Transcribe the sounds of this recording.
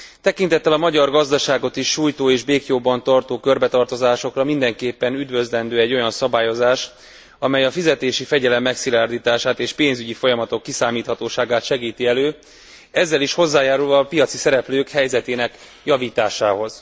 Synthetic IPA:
t̪ɛkint̪ɛt̪ːɛlɒmɒɟɒrɡɒzd̪ɒʃaːɡo̞t̪iʃːuːjt̪oːeːʒbeːkjoːbːɒnt̪ɒrt̪oːkø̞rbɛt̪ɒrt̪o̞zaːʃo̞krɒmind̪ɛŋkeːpːɛnyd̪vø̞zlɛnd̪øːɛɟːo̞jɒnsɒbaːjo̞zaːʃ | ɒmɛjɒfizɛt̪eːʃifɛɟɛlɛmːɛksilaːrd̪iːt̪aːʃaːt̪eːʃpeːnzyɟifo̞jɒmɒt̪o̞kːisaːmiːt̪hɒt̪oːʃaːɡaːt̪ʃɛɡiːt̪iɛløː | ɛzːɛliʃho̞zːaːjaːɾulvɒːpijɒt̪sisɛɾɛpløːkhɛjzɛt̪eːnɛk | jɒviːt̪aːʃaːɦo̞z̥

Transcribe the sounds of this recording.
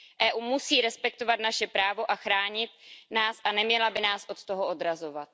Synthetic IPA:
ʔɛːʔuːmusiːɾɛspɛk̚t̪o̞vat̪naʃɛpɾaːvo̞ʔaxɾaːɲɪt̪naːsʔanɛmɲɛlabɪnaːsʔo̞t̪t̪oɦo̞ʔo̞d̪ɾazo̞vat̪̚

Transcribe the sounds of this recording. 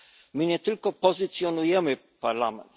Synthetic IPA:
mɘɲɛt̪ɘlkɔpɔzɨt̪sjɔnujɛmɘ | paɾlamɛ̰nt̪

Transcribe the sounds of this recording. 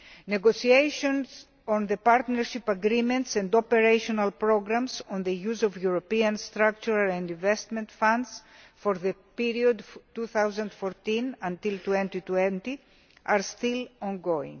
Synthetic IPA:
neɡosiejʃõns | õnðepaɾt̪neɾʃipaɡɾimẽnt̪sɐ̃nd̪opeɾejʃonalpɾoɡɾãmsõnðejuzovjuɾopiɐ̃nst̪ɾakt͡ʃuɾalẽnd̪ĩɱvest̪mẽnt̪fãnd̪s | foɾðepiɾiod̪t̪ːuθawzɐ̃nd̪foɾt̪ĩnɐ̃nt̪ilt̪wẽnt̪it̪wẽnt̪i | aɾst̪ilõnɡoḭ̃ŋ

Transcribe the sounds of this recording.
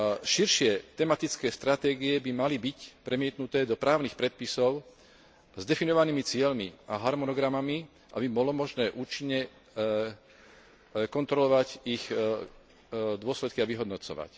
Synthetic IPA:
ʃiɾʃɪɛt̪ɛmat̪it͡skɛːst̪ɾat̪ɛːɡiɛbimalibicpɾɛmɪɛt̪nut̪ɛːd̪ɔpɾaːʊnixpɾɛt̪̚pisɔʊ | zd̪ɛfinɔʋaniːmit͡sɪɛlmiaɦaɾmɔnɔɡɾamami | ʔa̰bibɔlɔmɔʒnɛːʔuːt͡ʃiɲːɛ | kɔnt̪ɾɔlɔʋacix | d̪ʊɔslɛt̪̚kiaʋiɦɔd̪nɔt͡sɔ̰ʋa̰c

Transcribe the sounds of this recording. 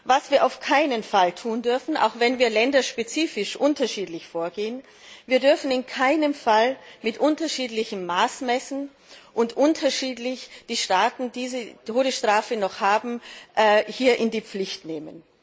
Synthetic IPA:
vasv̥iːɐʔaʊfkʰaɪnənfaltʰuːndʏɐfn̩ʔa̰ʊxv̥ɛnviːɐlɛndɐʃpet͡siːfɪʃʔʊntɐʃiːtlɪçfoːɐɡeːən | viːɐdʏɐfn̩ɪnkʰaɪnəmfalmɪtʔʊntɐʃiːtlɪçmːaːsmɛsn̩ | ʔʊntʔʊntʰɐʃiːtlɪçd̥iːʃtaːtn̩diːzətʰoːɾəsʃtʁ̥aːfənɔχhaːbm̩ʔɛːhiːɐʔɪndiːp͡flɪçtneːmən

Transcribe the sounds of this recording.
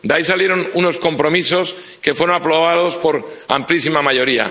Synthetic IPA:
d̪aisalje̞ɾo̞nuno̞sko̞mpɾo̞miso̞s | ke̞fwe̞ɾonapɾo̞β̞aðo̞spo̞ɾa̰mplisimamaʝo̞ɾia̰

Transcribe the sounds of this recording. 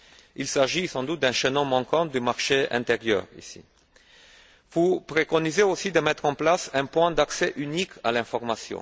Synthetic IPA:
ilsaʒisɑ̃d̪ut̪̚d̪ɛ̃ʃənɔmɑ̃kɑ̃d̪ymaʁʃeɛ̰̃t̪eʁjœ̰ːʁḭsḭ | vupχekɔnizeosid̪əmɛt̪χɑ̃plasɛ̃pwɛ̃d̪aksɛʔynikʰa̰lɛ̃fɔʁmasjɔ̰̃

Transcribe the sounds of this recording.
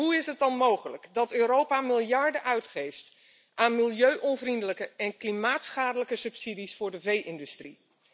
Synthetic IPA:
ɦuɪsɦət̚ɑnmowχələkdɑtøːɾowpamɪlˠjɑɹdəʔœɥtχejft | ʔaːnmɪlˠjøɥʔɔnvrindələkəɛnklimaːtsχaːdələkəsɵpsidisfʊːɹdəvejʔɪndystri

